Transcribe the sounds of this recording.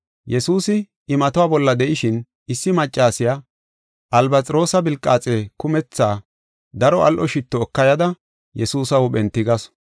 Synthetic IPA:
jɛsuːsɪ | ɪmɐt̪ʊwaːbɔlːɐd̪ɛʔɪʃɪn | ɪsːɪmɐt͡ʃʼːaːsɪja | ʔɐlbɐt͡sʼɪɾo̞ːsɐbɪlkʼːaːt͡sʼeːkʊmɛt͡sːaː | d̪ɐɾɔʔɐ̰lʔɔʃɪt̪ːɔːkːɐjɐd̪ɐ | jɛsuːsɐwʊbɛnt̪ːɪɡɐs

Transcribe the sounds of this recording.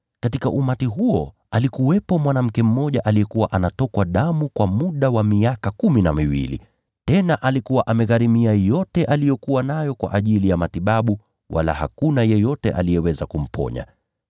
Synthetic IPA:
katikaʔumatiɦuɔ | alikuwɛpɔmwanam̩kɛm̩mɔʄaʔalijɛkuwaʔanatɔkwaɗamukwamuɗawamiakakumina̰miwḭlḭ | tɛnaʔalikuwaʔamɛɣaɾimiajɔtɛʔalijɔkuwanajɔkwa̰ʔaʄilijamatiɓaɓu | wʔa̰la̰ha̰kunajɛjɔtɛ̰ʔa̰lijɛwɛzakum̩pʰɔ̰ɲa̰

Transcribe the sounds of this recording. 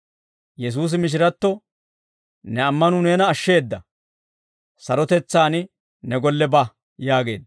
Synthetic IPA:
jɛs̬uːs̬ɪmɪʃ̬ɪɾɐt̪ːɔ | nɛɐmːɐnʊneːnɐːʃːe̞ːd̪ːɐ | sɐɾɔt̪ɛt͡sːaːnɪ | nɛɡɔlːɛbɐ | jaːɡe̞ːd̪

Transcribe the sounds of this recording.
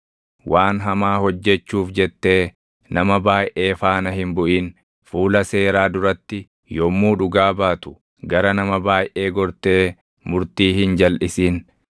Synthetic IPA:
wʔaːnɦɐmaːhɔd͡ʒːɛt͡ʃːuːfd͡ʒɛt̪ːe̞ː | nɐmɐbaːjʔe̞ːfaːnɐɦɪmbʊʔiːn | fuːlɐse̞ːɾaːd̪ʊɾɐt̪ːɪ | jɔmːuːᶑʊɡaːbaːt̪ʊ̥ | ɡɐɾɐnɐmɐbaːjʔe̞ːɡɔɾt̪e̞ː | mʊɾt̪iːhɪnd͡ʒɐlʔɪsiːn

